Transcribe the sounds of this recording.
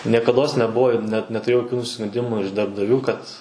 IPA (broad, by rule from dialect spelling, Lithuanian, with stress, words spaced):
nʲiɛkɐdˈoːs nʲɛˈbʊʋoː ɪr nʲɛt nʲɛtʊˈrʲeːjɛʊ joːˈkʲuː nʊsʲɪskʊnʲˈdʲɪmuː ɪʃ dɐrbdɐˈʋʲuː kɐt